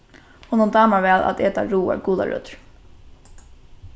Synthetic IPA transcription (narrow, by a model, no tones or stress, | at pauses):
huːnʊnt̪ɑːmaɹʋɛːla̰t̪eːt̪aɹuːa̰ɹɡuːða̰ɹœ̰ːt̪ɹ